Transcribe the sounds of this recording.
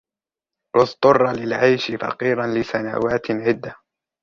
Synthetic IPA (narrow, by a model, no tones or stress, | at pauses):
ʔʊst̪ˤʊrˤːɑlɪlʕajʃɪfɑ̰qiːɾanlɪsana̰ːwaːt̪ʕɪd̪ːa